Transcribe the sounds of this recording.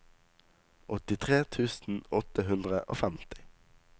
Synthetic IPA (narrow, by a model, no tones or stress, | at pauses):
ʔɔt̪ɪt̪ʰʁeːt̪ʰʉːsn̩ɔt̪əɦʉnd̪ʁəʔo̰ːfæmt̪ɪ̥